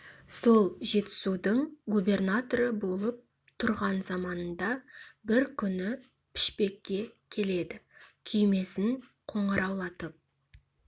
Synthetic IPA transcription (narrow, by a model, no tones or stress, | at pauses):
so̞lˠʒe̞t̪ɪ̥sud̪əɴɡubʲe̞rnat̪oɾəbo̞lˠəp̚ | t̪ʰʊɾʁɑnzɑmɑnənd̪ɑbɪɾkʲʰʏnɪ | pʰɪ̥ʃpe̞kʲːe̞kʲʰe̞le̞d̪ɪkʲʰʏjme̞sɪŋ | qʰo̞ɴɑɾʔɑwlˠɑt̪əp̚